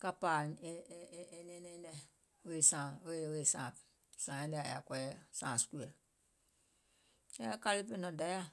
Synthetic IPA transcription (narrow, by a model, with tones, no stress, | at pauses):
ka˧paː˨˧˨ | e˧nɛ̃˨˦nɛ̃ː˨˦dɛ˧˨ | we˦˨sã˨we˦˨we˦˨sãː˨ | sãː˨ã˦dɛ˧˨a̰˨ja̰˨kʷɔ˧ɛ˦sãː˨su̥˨˦ku˦ɛ˨ | ɛ˦ka˧li˦pe˦nɔ̃˨da˨˦ja˦